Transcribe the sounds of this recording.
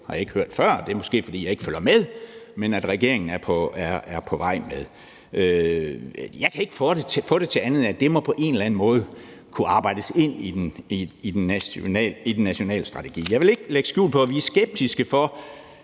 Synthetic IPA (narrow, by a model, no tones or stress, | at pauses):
hɑ̈jɑ̈e̝ɡ̥høɐ̰d̥fɶɐ̰d̥e̝æɐmɔ̽sɡ̥e̝̰ːfɒ̽d̥ḭːjɑ̈e̝ɡ̥əføl̰ɐmeð̞ˠmenæd̥ʁɛɡ̥e̝ɐ̰e̝ŋn̩æɐpʰɒæɐæɐpʰɒ̽ʋɑ̈ɪ̰meðˠ | ʔø | jɑ̈ɪkʰæe̝ɡ̥fɔdefɔ̽ːd̥e̝t͡sʰe̝ænð̩ˠæd̥e̝mɒ̽pʰɒ̽ʔe̝ːnelæn̩mɔ̽ːð̞̩ˠ | kʰuɑ̈ːb̥ɑ̈ɪ̰d̥əse̝n̰i̥ | id̥en̰ːlid̥enːæɕo̝nɛ̰ːləsd̥ʁɑ̈t͡sʰe̝ɡ̥ḭːjɑ̈ɪʋe̝le̝ɡ̥leɡ̥sɡ̥ṵːlpʰɒ̽æʋiːsɡ̥eb̥̚d̥isɡ̥əfɒ̽